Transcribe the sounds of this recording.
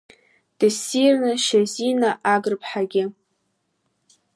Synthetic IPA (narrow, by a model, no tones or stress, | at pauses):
d̥ɨsirnɨʃazinaʔaɡɨrpʰħaɡʲɪ